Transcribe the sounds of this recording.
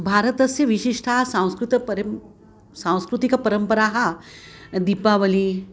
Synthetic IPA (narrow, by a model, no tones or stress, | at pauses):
bʱaːɾɐt̪ɐsjɐʋiʃiʂʈʰaɦɐsãw̃skɾut̪pɐɾ | sãw̃skɾut̪ikɐpɐɾəmpɐɾaːɦɐ | d̪ipaːʋɐli